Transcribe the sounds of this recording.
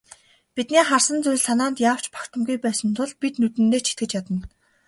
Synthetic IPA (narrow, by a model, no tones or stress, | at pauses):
pit̪niːχarsə̆nt͡sʊj̆ʲɮsanaːnt̪jaːw̥t͡ɕpʰḁkt̪ʰə̆mɡujpæːsə̆nt̪ʰʊɮpit̪nɵt̪ɘ̆nːeːt͡ɕʰi̥t̪̚ɡɘ̆t͡ɕjat̪ə̆n